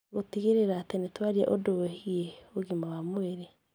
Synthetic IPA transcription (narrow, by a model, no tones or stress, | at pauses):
ɣotiɣeɾeɾaːtenetwaɾia̰ʔodowɛhieoɣimawamweɾe